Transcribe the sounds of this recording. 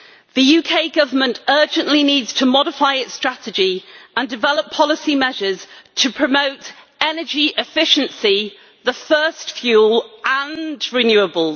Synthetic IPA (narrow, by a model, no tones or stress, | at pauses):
ðəjʉːkʰeɪɡʌvəmə̃ntɜːd͡ʒə̃nʔliniːdz̥tʰəmɒɾɪfaɪɪtstɹ̥atɪd͡ʒiə̃ndɪvɛləpʰɒlɪsimɛʒəz̥tʰəpʰɹ̥əməʊt | ɛnəd͡ʒiʔɪfɪʃə̃nsi | ðəfɜˑstfjuːlə̃nɹɪnjʉːəbəlˠ